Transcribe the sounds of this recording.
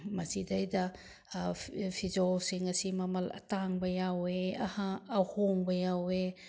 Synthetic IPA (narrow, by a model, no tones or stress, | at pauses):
masidajda | pʰizawsiŋɐsimɐmɐlɐ̰taŋbɐjaweɐhaːhoŋbɐjawe